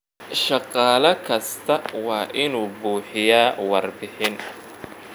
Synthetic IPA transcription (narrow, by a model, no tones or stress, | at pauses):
ʃɑqɑːlɐkʰɐst̪ʰɐwɑːʔɪnuːbuːħɪjaːwɑrbɪħɪn